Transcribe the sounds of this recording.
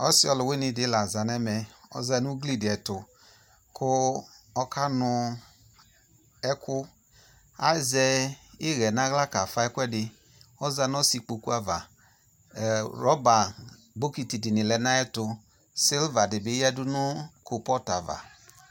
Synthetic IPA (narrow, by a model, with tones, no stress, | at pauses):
ɔ˦si˦ɔ˨˧lu˨we˦ni˧dɪ˨˦la˨za˨nɛ˦mɛ˧ɔ̰˦za˧nu˦ɡli˦˨di˨ɛ˨tʊ˨ | kʰʊ˦ɔ˦ka˦nʊ˧ | ɛ˦kʊ˦ | a̰˦˨zɛ˧i˦ɣɛ˨na˦ɣla˦ka˨fa˧˦ɛ˦kwɛ˦dɪ˧ | ɔ˦za˧˦n˦ɔ˦si˧k͡po˨˧ku˦a˨va˨ | ɾɔ˦ba˨ | bo˦ki˧ti˨di˨ni˨lɛ˨˦na˦ɛ˦tʊ˧ | si˦lva˨dɪ˨bi˨˦ɛ˦du˦nu˦ko˧pɔ˦ta˨va̰˨